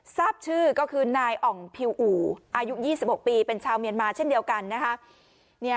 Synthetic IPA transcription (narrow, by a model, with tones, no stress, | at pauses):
saː˥˩p̚t͡ɕʰɯː˥˩kɔː˥˩kʰɯː˧naː˧jʔɔ˨˩ŋpʰi˧wʔuː˩˦ʔaː˧ju˦˥jiː˥˩si˨˩p̚ho˨˩k̚piː˧pe˧nt͡ɕʰaː˧wmi˧ənmaː˧t͡ɕʰe˥˩ndi˧əwka˧nːa˦˥kʰa˦˥ | ni˥˩ɐ